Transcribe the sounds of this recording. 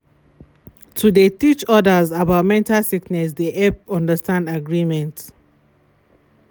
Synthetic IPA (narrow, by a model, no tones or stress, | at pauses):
tudetit͡ʃɔdəzabaʊt̚mɛ̃ntalsiknɛs̬deʔɛpɔ̃ndəstãndaɡɹimɛ̃nt